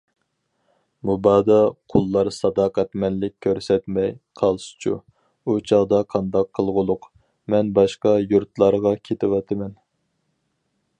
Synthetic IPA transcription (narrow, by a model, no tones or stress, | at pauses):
mubɑːd̪ɑqʰolˠːɑɾsɑd̪ɑːqæt̪mɛnlɪk̚ʲʰːøɾsɛt̪mɛjqʰɑlˠst͡ʃʰṵ | ut͡ʃʰɑʁd̪ɑqʰɑnd̪ɑqʰːəlˠʁʊlˠʊq | mɛnbɑʃqɑjuɾt̪lˠɑɾʁɑkʲʰet̪ʰɪwɑt̪ʰɪmɛn